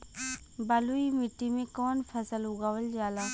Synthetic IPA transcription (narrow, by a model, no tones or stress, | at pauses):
baluimɪʈːimẽkɔːnpʰɐsəlʊɡaːʋəld͡ʒaːlaː